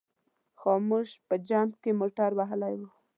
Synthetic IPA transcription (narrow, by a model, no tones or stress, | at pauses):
xomuʒpəd͡ʒɑmkemoʈaɾwaɦlajwu